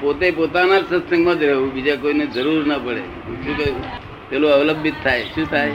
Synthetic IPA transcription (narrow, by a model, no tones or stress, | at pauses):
pot̪epot̪anad͡ʒsə̃səŋɡmãd͡ʒɾeʋũbid͡ʒakoined͡ʒəɾuɾnəpəɽḛ | ṵt͡ʃũke | t̪eloəʋləbʱːit̪ʰːajʃũt̪ʰaj